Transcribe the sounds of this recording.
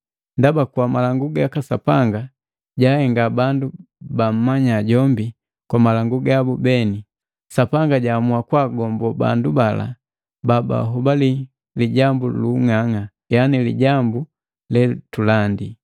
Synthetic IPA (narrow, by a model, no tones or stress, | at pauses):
ndabakuamalaŋɡuɡaakasapaŋɡa | ɟahɛŋɡabandubam̩maɲaɟɔmbi | kwamalaŋɡuɡabubɛni | sapaŋɡaɟamuakwaɡɔmbɔba̰ndubala̰ | baba̰ɦubali | liɟambuluŋaŋa | janilḭɟambu | lɛtulandi